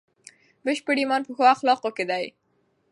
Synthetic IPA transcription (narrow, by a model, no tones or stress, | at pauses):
bəʃpəɽimɑnpəxoaxlɑqoked̪aj